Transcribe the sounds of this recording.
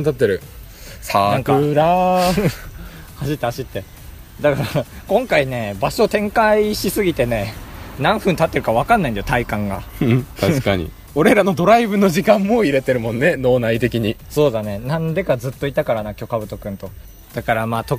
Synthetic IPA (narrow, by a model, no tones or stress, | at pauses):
t̪at̪ːe̞ɾɯ̟ | saãŋkaɾa | haɕit̪ːehaɕit̪ːe̞ | d̪akaɾakõ̞ŋkaine̞baɕo̞t̪ẽ̞ŋkaiɕisɨɡʲit̪e̞ne̞nãɰ̃ɸɯ̟̃nt̪at̪ːe̞ɾɯ̟kaβ̞akãnːaĩd̪ajot̪aikãŋɡa̰t̪aɕkaɲḭ | o̞ɾe̞ɾano̞d̪o̞ɾaibɯ̟no̞ʑikãmːo̞iɾe̞t̪e̞ɾɯ̟mõ̞nːe̞no̞ːnait̪e̞kʲiɲ̟iso̞ːd̪ane̞nãnd̪e̞kazɨt̪ːoit̪ːakaɾanakʲo̞kabɯ̟t̪o̞kɯ̟̃nt̪o̞ | d̪̥akaɾamaːt̪o̞